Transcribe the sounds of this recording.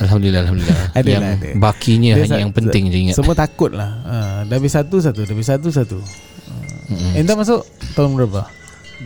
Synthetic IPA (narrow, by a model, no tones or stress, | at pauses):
alɦamd̪ulilːaalɦamdulilaadjaŋd̰bakiɲãhaɲajaŋpənɪŋd͡ʒaiŋatsəmũat̪akʊt̪̚lahədabisat̪us̬at̪udabis̬at̪̬us̬at̪u | ə̰m̩int̪amas̬ʊʔt̪ɔlŋɾəba